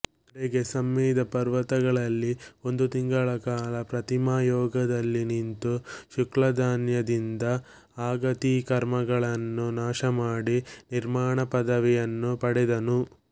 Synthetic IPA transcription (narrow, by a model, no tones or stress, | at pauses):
ɾeɡesɐmːiːd̪ʱɐpɐɾʋɐt̪ɐɡɐɭɐlːio̞nd̪ut̪iŋɡɐɭɐkaːlɐpɾɐt̪imaːjɔːɡɐd̪ɐlːinint̪uʃuklɐd̪aːnjɐd̪ind̪ɐ | aːɡɐt̪ikɐɾmɐɡɐɭɐnːunaːʃɐmaːɽiniɾmaːɳɐpɐd̪ɐʋijɐnːupɐɽɛd̪ɐnu